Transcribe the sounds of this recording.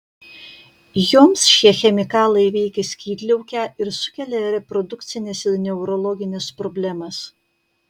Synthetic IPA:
joːmsʃʲiɛxʲɛmʲɪkɑːlˠɐɪʋʲɛɪkʲɛsʲkʲiːd̪ʲlʲɛʊkʲæːɪɾsʊkʲɛlʲɛɾʲɛpɾɔd̪ʊkt̪sʲɪnʲɛsɪɾnʲɛʊɾɔlˠɔɡʲɪnʲɛspɾɔbʲlʲæmɐs

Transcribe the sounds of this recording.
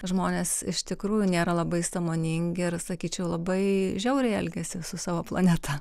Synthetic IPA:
ʒmoːnʲeːsɪʃt̪ʲɪkɾuːjʊnʲeːɾɐlˠɐbɐɪsɐmoːnʲɪŋʲɡʲɪrsɐkʲiːt͡ʃʲɛʊlˠɐbɐɪʒʲɛʊɾʲɛɪɛlʲɡʲɛsʲɪsʊsɑːʋoːplˠɐnʲɛt̪ʰɑ

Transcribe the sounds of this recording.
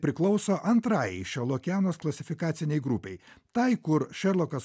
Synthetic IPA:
pʲɾʲɪklˠɒʊsoːʔɐnt̪ɾɑːjɛɪʃʲɛɾlˠoːkʲæːnoːsklˠɐsʲɪfʲɪkɑːt̪sʲɪnʲɛɪɡɾʊpʲɛɪt̪ɐɪkʊɾʃʲɛɾlˠoːkɐs

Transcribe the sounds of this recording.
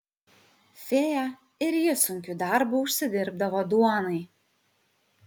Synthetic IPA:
fʲeːjæ | ɪɾjɪsʊŋʲkʲud̪ɑˑɾbuˑʊʃʲsʲɪd̪ʲɪɾb̚d̪ɐʋoːd̪uɔnɐɪ

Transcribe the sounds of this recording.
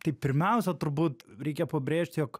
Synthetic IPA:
t̪ɐɪpʲɪɾʲmʲɛʊsʲɛt̪ʊɾbuːt̪ɾʲɛɪkʲɛpɐbʲɾʲeːʃʲt̪ʲjoːk

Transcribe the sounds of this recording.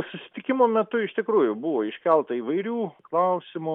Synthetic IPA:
sʊsʲɪ̥t̪ʲɪkʲɪmoːmʲɛt̪ʊɪʃt̪ʲɪkɾuːjʊbʊʋoːɪʃʲkʲɛlˠt̪ɐiːʋɐɪɾʲuːklˠɐʊsʲɪmʊ

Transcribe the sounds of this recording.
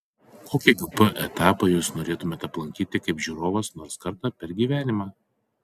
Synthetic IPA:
kʰoːkʲɪɡʊpɐʔɛt̪ɑːpɐjuːsnoːɾʲeːt̪ʊmʲeːt̪ɐplˠɐŋʲkʲiːt̪ʲɪkɐɪpʒʲuːɾoːʋɐsnoːɾskɐɾt̪ɑːpʲɛɾɡʲiːʋʲæːnʲɪmɑː

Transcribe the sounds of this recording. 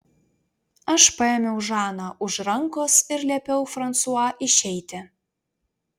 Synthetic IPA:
ɐʃpɐemʲewʒɑnɑʔuʃrɐŋkosɪrlʲepʲewfrɐnt̪suɑʔɪʃejt̪ʲɘ

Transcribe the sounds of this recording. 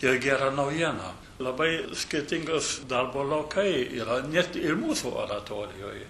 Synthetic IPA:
ɪrɡʲæːɾɐnɐʊjiɛnɐ̰ː | lˠɐbɐɪsʲkʲɪɾʲt̪ʲɪŋɡʊsd̪ɐrboːlˠɐʊkɐɪḭːɾɐnʲɛt̪ɪɾmuːsuːʔo̰ːɾɐt̪oːɾʲɪjo̰ːj

